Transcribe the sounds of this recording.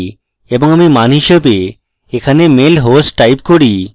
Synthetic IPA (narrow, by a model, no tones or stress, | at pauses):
eboŋamimaniʃebe | ekʰanemelɦosʈʈajpkoɽi